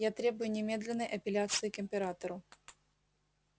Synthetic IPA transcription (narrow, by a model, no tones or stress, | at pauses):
jat̪ɾʲe̞bʊjʊnʲɪmʲe̞d̪lʲɪnːəjʔɐpʲɪlʲat̪sɨɪkɪmʲpʲɪɾat̪əɾʊ